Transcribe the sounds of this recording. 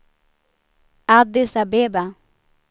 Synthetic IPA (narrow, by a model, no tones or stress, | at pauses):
ad̪ɪsabeba